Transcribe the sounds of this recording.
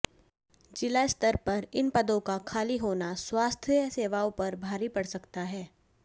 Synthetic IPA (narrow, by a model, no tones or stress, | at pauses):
d͡ʒɪlaɪst̪əɾpɐɾɪnpɐd̪õkakʰaːliɦoːnaswaːst̪ʰjseːʋaõpɐɾbʱaːɾipɐɽsɐkt̪aɦɛː